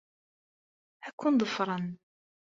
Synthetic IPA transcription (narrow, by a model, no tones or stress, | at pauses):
ækːund̪ˤəfɾˤən